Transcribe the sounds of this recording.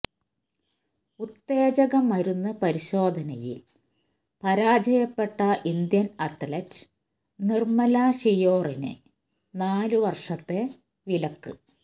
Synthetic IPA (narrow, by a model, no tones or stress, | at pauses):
ut̪ːe̞ːd͡ʑɐɣɐmːɐɾunːɐpɐɾiɕo̞ːd̪ʱɐnɐjḭl | pɐɾaːd͡ʑɐjɐpːe̞ʈːɐʔind̪jɐnɐʈːɐlɐt | nirmɐlaːʂijoːrinɨ̰ | naːluʋɐrʂɐt̪ːe̞ | ʋilɐkːɨ